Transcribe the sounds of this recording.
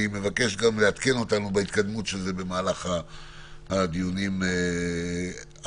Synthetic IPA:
ime̞vake̞ʃɡamleat̪ke̞no̞t̪anubeit̪kad̪mutʃezebe̞maːlaχa | ad̪ijunim

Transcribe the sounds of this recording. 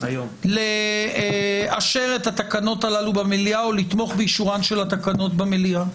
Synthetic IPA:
jo | le | aʃe̞ʁe̞t̪hat̪akano̞talalubameliaolit̪mo̞χbeiʃuʁanʃe̞lat̪akano̞t̪bamelia

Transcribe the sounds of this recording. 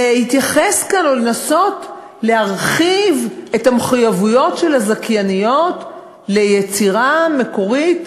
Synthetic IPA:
hitjaχeskanolenaso̞t | lehaʁχive̞thameχujavujo̞tʃelazakjanijo̞t | le̞jet͡siʁame̞ko̞ʁit

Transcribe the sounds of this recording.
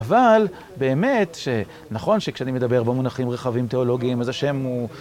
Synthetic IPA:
aval | be̞ːme̞t̪ʃe̞ | naχo̞nʃekʃeanime̞d̪abe̞ʁbemunaχimʁeχavimt̪e̞olo̞ɡiːmazaʃe̞mu

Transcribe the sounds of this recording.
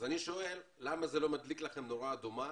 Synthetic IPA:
zaniʃo̞e̞lːamazelo̞mad̪liklaχe̞mno̞ʁaːd̪uma

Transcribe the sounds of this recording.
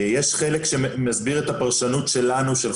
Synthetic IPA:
jeʃχelekʃemazbiʁet̪apaʁʃanutʃe̞lanuʃel

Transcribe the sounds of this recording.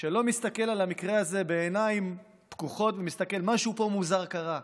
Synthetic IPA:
ʃelo̞mist̪ake̞lalamikʁeaze̞be̞ːnaim | tkuχo̞tvemist̪ake̞lmaʃupo̞muzaʁkaʁa

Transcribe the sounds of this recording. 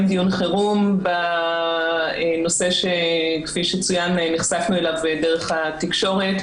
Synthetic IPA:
mdijunχeʁumba | eno̞se̞ʃe̞kfiʃet͡sujanniχsafnuelavdeʁeχatikʃo̞ʁet

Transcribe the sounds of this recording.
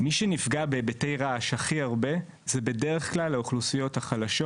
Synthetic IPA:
miʃenifɡabe̞betejʁaaʃhaχiaʁbe̞ | zebe̞deeχklalhauχlusijo̞thaχalaʃo̞

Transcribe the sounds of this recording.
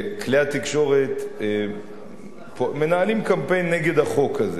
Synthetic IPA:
kleat̪ikʃo̞ʁet̪ | pome̞naːlimkampe̞jnːeɡe̞d̪aχo̞kaze

